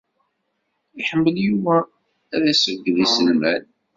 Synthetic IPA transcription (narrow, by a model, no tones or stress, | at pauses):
iħəmːəljuvæ | ɾæsəɡːðisəlmæl